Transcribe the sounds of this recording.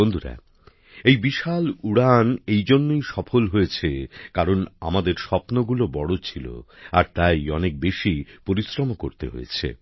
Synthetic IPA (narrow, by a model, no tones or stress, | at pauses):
ond̪ʱuɾa̰ | ejbiʃaluɽanejd͡ʑonːojʃɔfʰolɦojet͡ɕʰekaɾonamad̪eɾʃɔpnoɡulobɔɽot͡ɕʰilo̰aɾt̪ajɔnek̚beʃipoɾisɾomokoɾt̪ḛɦo̰jḛt͡ɕʰḛ